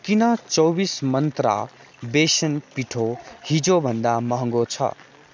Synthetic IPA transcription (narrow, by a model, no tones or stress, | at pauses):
kinʌt͡sɔwbismʌnt̪ɾa̰ | besənpiʈʰohid͡ʒobʱənd̪amʌɦŋɡot͡sʰʌ̰